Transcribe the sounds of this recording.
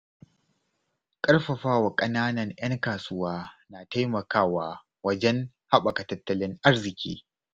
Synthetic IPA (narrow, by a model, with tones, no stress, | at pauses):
kʼɐ˦ɽɸɐ˨ɸaː˦wa˨kʼɐ˦naː˦nɐ˨ŋj̰ɐ˦ŋkaː˨sʊ˦waː˦naː˨ta˦jmɐ˨kaː˦waː˦ | wɐ˦d͡ʒɛ˦ŋ | ha˦ɓa˨ka˨tɐ˦tːɐ˦lɪ˦ŋʔa˦ɾzɪ˨kʲḭː˦